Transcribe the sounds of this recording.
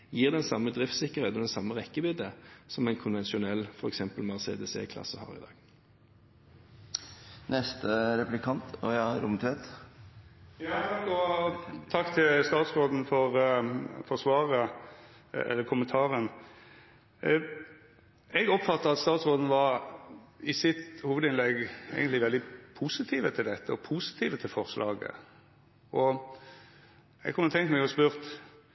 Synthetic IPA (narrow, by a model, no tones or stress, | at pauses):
jiːʁd̪ɛnsɑmːəd̪ʁɪft̪sɪkːəʁheːt̪ɔd̪ɛsɑmːəʁɛkːəbiːd̪əsɔmæɪnkʰʊnʋɛnsɪʊnɛlːfɔɾɛksɛmpəlmɑʁsḛːd̪əsḛːkʰlɑ̰səhɑ̰ːʁɪ̰d̪ɑ̰ːɡ̥ | nɛst̪əɾɛplɪkʰɑnt̪ɔjɑɾʊmt̪ʰʋeːt̪ | jɑɑkːɔt̪ʰɑkːt̪ʰɪlst̪ɑːt̪sʁoːd̪n̩fɔɾ | fɔsʋɑːʁə | ɛ̰lːəɾkʰʊmənt̪ʰɑːɾən | ɛɡɔpfɑt̪ːəɑt̪st̪ɑːt̪sʁoːd̪n̩ʋɑɾ | ɪsɪt̪huːʋəd̪ɪnlɛɡḛːɡənt̪lɪʋɛld̪ɪpʰuːsɪt̪ʰiːʋət̪ʰɪld̪ɛt̪ːəɔpʰuːsɪ̥t̪ʰiːʋət̪ʰɪlfɔʁslʔɑːɡə̰ | ʔɔ | ɛ̰ɡkʰɔmːəɔt̪ʰɛŋk̪mɛɡɔspʉːɾt̪